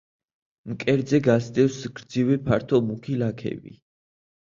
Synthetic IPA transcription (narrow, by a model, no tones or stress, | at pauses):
mkʼɛɾd̪zɛɡasd̪ɛfsɡ̥ɾd̪zivɛpʰaɾt̪ʰɔmukʰilakʰɛ̰bḭ